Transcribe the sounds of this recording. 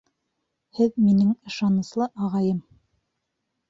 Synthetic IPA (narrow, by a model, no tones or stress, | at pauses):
hɘðminɘŋɤ̆ʃɑnɤ̆slˠɤʔɑʁɑjɤm